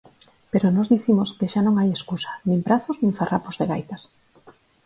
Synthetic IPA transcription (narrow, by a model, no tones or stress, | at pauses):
peɾonɔzðiθimoskeʃanõŋajeskusḁnĩŋpɾaθoznĩŋfarapozðeɣ̞ajt̪as